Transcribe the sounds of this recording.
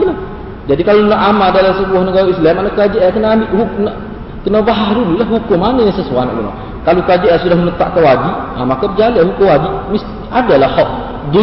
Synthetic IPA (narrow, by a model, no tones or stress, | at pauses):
la | d͡ʒadikalonaʔamadalamsəbuahnəɡaɾaislamːanakad͡ʒaʔjakənaambɪʔhunaʔ | kənabaɦaɾunilahɦukʊmanəasəsuanɔ̰ʔɡənɔ̰ | kalokad͡ʒajasudahmənət̪a̰ʔkawaɡiamakəbəd͡ʒaliaɦukʊmwaɡimist̪iadalahɔʔ | du